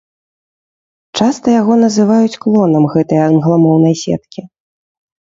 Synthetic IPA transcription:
t͡ʂast̪ɐjaɣɔn̪ɐzɨvajut͡sʲklˠɔnɐmɣɛt̪ɐjɐɐnɣlˠɐmɔwnɐjsʲɛ̰t̪̚kʲi

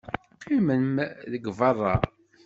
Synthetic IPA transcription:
qʰimənmðəɡvɑrˤːɑ̰

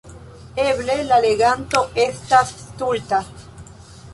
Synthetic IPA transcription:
eβlelaleɣant̪oest̪ast̪ult̪a

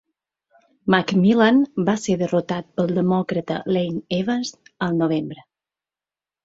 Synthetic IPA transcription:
makmilanbaseðərut̪at̪̚pəlˠd̪əmɔkɾət̪ə̰lejneβənzəlˠnoβ̞embɾə

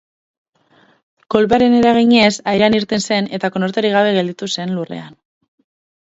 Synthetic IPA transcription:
ko̞lpeaɾe̞ne̞ɾaɣ̞iɲe̞sajɾaniɾt̪e̞nse̞ne̞t̪ako̞noɾt̪eɾiɣaβ̞e̞ɣe̞ld̪it̪use̞nlure̞̰an

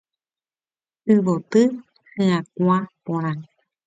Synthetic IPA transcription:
ɨʋot̪ɨ | hẽãkʷapõɾ̃ã

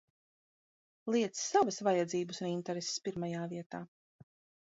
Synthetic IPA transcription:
lˠiɛt̪sːavasvajad̪ziːbəsunint̪ɛɾese̥spiɾmajaːviɛt̪aː

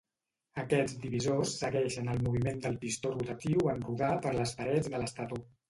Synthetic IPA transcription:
əkɛd͡zd̪iβizosːəɣɛʃənəlˠmuβ̞imend̪əlˠpist̪orut̪ət̪iwənruðapəɾləspəɾɛd͡zðələst̪at̪o

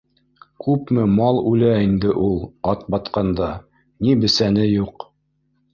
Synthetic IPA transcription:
kʉpmɘmɑlˠʉlæind̪ɘʔulˠɑt̪̚bɑt̪qɑnd̪ɑ | nibɘ̆sænɘjuq

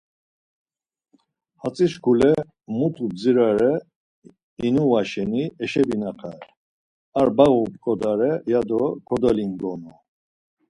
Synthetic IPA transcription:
hat͡sʼiʃkʰulɛ | mut̪ʰud͡ziɾaɾɛ | inuvaʃɛniɛʃɛbinaqʰa | aɾbaɣupkʼɔd̪aɾɛjad̪ɔkʰɔd̪ɔliŋɡɔnɔ

